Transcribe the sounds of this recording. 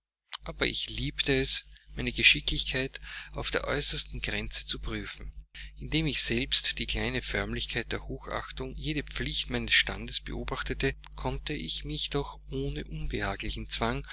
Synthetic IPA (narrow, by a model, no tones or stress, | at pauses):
ʔaːbɐ̰ʔɪ̰çliːptəɛsmæɪnəɡəʃɪklɪçkʰaɪtaʊfd̥eːɐʔɔʏsɐstn̩ɡ̥ʁɛnt͡sə̥t͡supʁ̥yːfn̩ʔɪndeːmɪçz̥ɛlpstd̥iːkl̥aɪnəfœɐmlɪçkʰaɪt̚d̥eːɐhoːxʔa̰xtʊŋjeːɾəp͡flɪçtmaɪnəsʃta̰ndəsb̥ə̰ʔo̰ːbaχtətə | kʰɔntəɪçmɪçd̥ɔxʔoːnəʔʊnbəhaːɡlɪçn̩t͡sv̥aŋ